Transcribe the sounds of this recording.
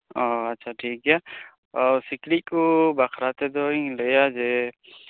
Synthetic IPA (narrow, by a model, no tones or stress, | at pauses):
oɐtːʃʰaʈʰiːkɦɛja | ɔsɪklikːobakʰɾaːt̪ed̪oĩlejad͡ʒe